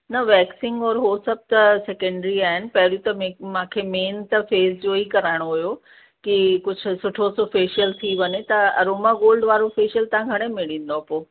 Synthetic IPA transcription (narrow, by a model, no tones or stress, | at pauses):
nɐʋɛːksɪ̃ŋɡɔːɾɦosɐb̚ʱt̪ɐsekə̃ɳɖɾiaːɦɪnɪ̆pɐɦɪɾjũt̪ɐmmãːkʰemeːnt̪ɐfeːzd͡ʑoːikɐɾaːɪɽ̃oɦujo | kikʊd͡ʑʱʊ̆sʊʈʰosofeːʃijəlt̪ʰiʋɐɲet̪ɐɐ̰ɾoːmaɡoːlɖʋaːɾofeːʃjəlt̪ɐãɡʱɐɽ̃emɪɽĩːn̆d̪oapoː